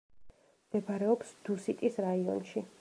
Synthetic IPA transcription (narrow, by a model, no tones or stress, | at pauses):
md̪̥ɛbʰaɾɛɔpsd̪̥usit̪ʼisɾaiɔ̰nʃi